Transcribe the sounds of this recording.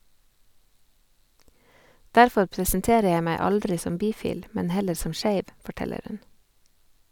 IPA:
ˈdæɾfɔɾ pɾəsnˈteːɾə ˈjæɪ ˈmæɪ ˈɑldɾɪ ˈsɔm ˈbiːˌfiːl ˈmɛn ˈhɛləɾ ˈsɔm ˈʃeɪʋ fɔˈʈɛləɾ ˈhʉn

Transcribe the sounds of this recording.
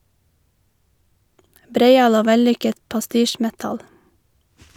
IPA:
ˈbɾeɪˌɑːl ˈoː ˈʋɛˌlʏkət pɑˈstiːˌʃmɛtɑl

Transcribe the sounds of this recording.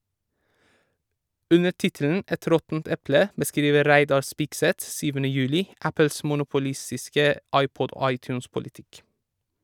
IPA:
ˈʉnə ˈtɪtl̩n̩ ˈɛt ˈɾɔtn̩t ˈɛplə bəˈskɾiːʋə ˈɾæɪdɑɾ ˈspɪksɛt ˈsyːʋənə ˈjʉːlɪ ˈæpl̩s mʊnʊpʊˈlɪstɪskə ˈʔɑɪˌpɔd ˈoː ˈɑɪˌtjʉːnspʊlɪˌtɪk

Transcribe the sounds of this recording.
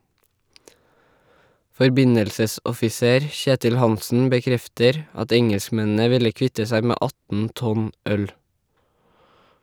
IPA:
fɔɾˈbɪɲəlsəsɔfɪˌseːɾ ˈçeːtɪl ˈhɑnsn̩ bəˈkɾɛftəɾ ˈɑt ˈɛŋɛlskˌmɛnn̩ə ˈʋɪlə ˈkʋɪtə ˈsæɪ ˈmeː ˈʔɑtn ˈtɔn ˈœl

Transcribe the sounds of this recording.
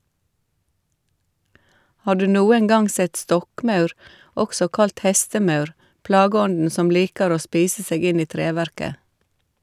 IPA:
ˈhɑː ˈɖʉː ˈnuːəŋ ˈɡɑŋ ˈsɛt ˈstɔkˌmɑʉɾ ˈɔksɔ ˈkɑlt ˈhɛstəˌmɑʉɾ ˈplɑːɡəˌɔndn̩ ˈsɔm ˈliːkəɾ ˈoː ˈspiːsə ˈseːɡ ˈɪn ˈiː ˈtɾeːˌʋæɾkə

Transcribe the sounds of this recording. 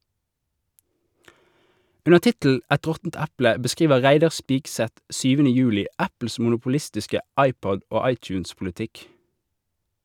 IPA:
ˈʉnəʁ ˈtɪtl̩ ˈɛt ˈʁɔtn̩t ˈæplə bəˈskʁiːʋə ˈʁæɪdɑʁ ˈspiːksɛt ˈʃyːʋənə ˈjʉːlɪ ˈæpl̩s mʊnʊpʊˈlɪstɪskə ˈɑɪˌpɔd ˈoː ˈɑɪˌt͡ʃʉːnspʊləˌtɪk

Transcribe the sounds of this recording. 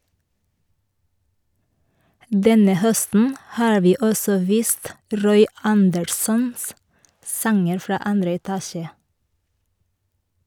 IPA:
ˈdɛnə ˈhœstn̩ ˈhɑːɹ ˈʋiː ˈɔsɔ ˈʋiːst ˈɾɔʏ ˈɑndəɾsɔns ˈsɑŋəɾ ˈfɾɑː ˈɑndɾə ɛˈtɑːʃə

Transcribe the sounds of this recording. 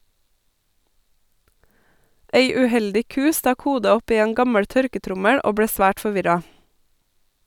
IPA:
ˈeɪ ʉˈhɛldɪ ˈkʉː ˈstɑk ˈhuːdə ˈɔp ˈiː ˈeːn ˈɡɑməɽ ˈtœɾkəˌtɾʊməɽ ˈoː ˈbɽeː ˈsʋæːʈ fɔˈʋɪɾɑ

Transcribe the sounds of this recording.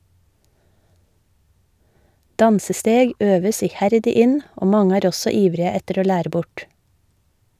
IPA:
ˈdɑnsəˌsteːɡ ˈøːʋəs ɪˈhæɾdɪ ˈɪn ˈoː ˈmɑŋə ˈæːɾ ˈɔsɔ ˈiːʋɾɪə ˈɛtəɾ ˈoː ˈlæːɾə ˈbʊʈ

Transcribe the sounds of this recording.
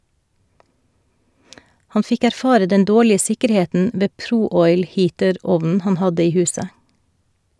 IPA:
ˈhɑn ˈfɪk æɾˈfɑːɾə ˈdɛn ˈdoːɭɪə ˈsɪkəɾˌheːtn̩ ˈʋeː ˈpɾuː ˈɔʏl ˈhiːtəˌɾɔʋnn̩ ˈhɑn ˈhɑdə ˈiː ˈhʉːsə

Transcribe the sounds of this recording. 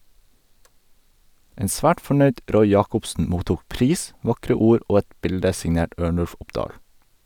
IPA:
ˈeːn ˈsʋæːʈ fɔˈɳœʏɖ ˈɾɔʏ ˈjɑːkɔpsn̩ ˈmuːtuːk ˈpɾiːs ˈʋɑkɾə ˈuːɾ ˈoː ˈɛt ˈbɪldə sɪŋˈneːʈ ˈøːɳʉlf ˈʊpdɑːl

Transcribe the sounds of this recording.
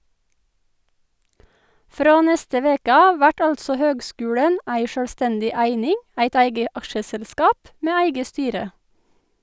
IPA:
ˈfɾoː ˈnɛstə ˈʋeːkə ˈɑːʋ ˈʋæʈ ˈɑltsɔ ˈhøːɡˌskʉːɽən ˈæɪ ˈʃøːlˌstɛndɪ ˈæɪnɪŋ ˈæɪt ˈæɪɡə ˈɑkʃəsɛlˌskɑːp ˈmeː ˈæɪɡə ˈstyːɾə

